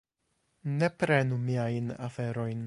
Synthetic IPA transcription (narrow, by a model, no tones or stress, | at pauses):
ne̞pɾe̞numiajnafe̞ɾo̞jn